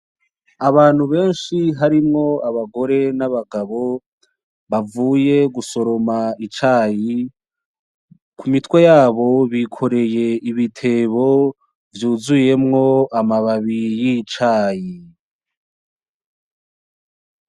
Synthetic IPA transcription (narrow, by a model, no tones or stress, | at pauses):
aβaːn̥huβe̞ːnʃiɦaɾimŋo̞aβaɡo̞ɾe̞naβaɡaβo̞ | βavuːje̞ɡuso̞ɾo̞mait͡ʃaːji | kʰumitwe̞jaːβo̞βikʰo̞ɾe̞je̞iβitʰe̞βo̞ | vjuːzuje̞mŋo̞amaβaβijit͡ʃaːji